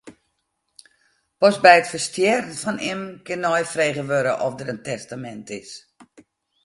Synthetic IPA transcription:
pɔsbɛjətfərstjɛrənfɔnɪmkɪnːɔjfreːɣəʋøɾəʔɔfdəɾəntɛstamɛntɪs

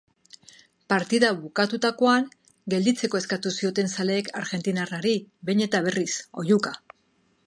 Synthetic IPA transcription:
paɾt̪iðaβukat̪ut̪ako̞aŋ | ɡe̞ld̪it͡se̞koe̞skat̪usio̞t̪e̞nsale̞ːkʰaɾɣe̞nt̪inaraɾiβe̞ɲe̞t̪aβ̞e̞riso̞̰juka

